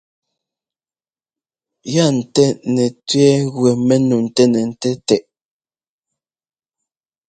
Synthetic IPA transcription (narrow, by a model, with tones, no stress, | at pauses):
ja˦˨n̩˨tɛ˦nɛ˨tɥɛ˦ɣwɛ˨mɛ˦nu˨n̩˨tɛ˦nɛ˨n̩˨tɛ˦tɛ˨ʔ